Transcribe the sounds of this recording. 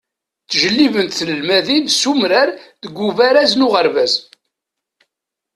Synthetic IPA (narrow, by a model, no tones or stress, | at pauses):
θʒəlːivənt̪θələlmæðinsumɾæɾðəɡʷːuvæɾæznʊʁəɾvæz